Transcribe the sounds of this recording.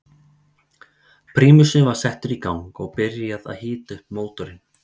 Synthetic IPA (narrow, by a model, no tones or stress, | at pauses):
pʰɾiːmʏsɪnvaɾ̥sɛht̪ʏɾikawŋkɔɣpɪɾjaða̰ðhɪːt̪ʏhpmoːwt̪ʏɾɪn